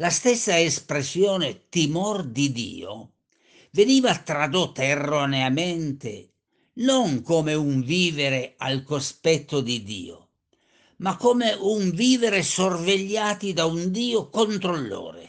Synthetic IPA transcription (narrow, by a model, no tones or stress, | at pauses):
last̪ɛsːaespɾesjɔːnet̪imɔrd̪id̪ḭːo̰ | veniːvat̪ɾad̪ot̪ːaerːoneament̪ḛ | noŋkoːmeuɱviːveɾealkospɛt̪ːod̪id̪ḭːo̰ | makːoːmeʔuɱviːveɾesorveʎːaːt̪id̪aund̪iːokont̪ɾolːɔ̰ːɾḛ